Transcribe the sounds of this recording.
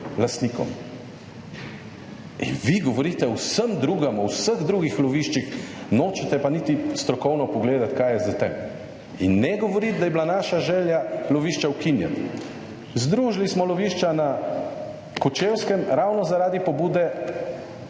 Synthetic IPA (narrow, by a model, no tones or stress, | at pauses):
last̪niːkɔ̰m | ḭnʋiɡɔʋɔɾit̪ɛwsəmd̪ɾuːɡɐmɔwsəɣd̪ɾuːɡixlɔʋiːʃt͡ʃixnoːt͡ʃɛt̪ɛpanit̪ist̪ɾɔkɔwnɔpɔɡleːd̪at̪kajɛzat̪ɛm | inːɛɡɔʋɔɾit̪̚d̪ajɛblanaːʃaʒɛːljalɔʋiːʃt͡ʃawkinjɛ̰n | zd̪ɾuːʒlismɔlɔʋiːʃt͡ʃana | kɔt͡ʃewskɛmɾawnɔzaɾaːd̪ipɔbuːd̪ɛ